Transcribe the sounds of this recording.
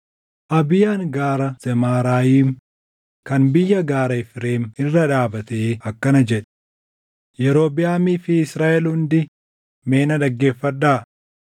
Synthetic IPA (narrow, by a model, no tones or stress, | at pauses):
ʔɐbɪjaːŋɡaːɾɐz̥ɛmaːɾaːjiːm | kɐnbɪjːɐɡaːɾɐɪfɾe̞ːmɪrːɐᶑaːbɐt̪eːɐkːɐnɐd͡ʒɛᶑɛ̥ | jɛɾo̞ːbɪjaːmiːfɪɪsɾaːʔɛlhʊnd̪ɪ | me̞ːnɐᶑ̪ɐɡːe̞ːfːɐᶑaː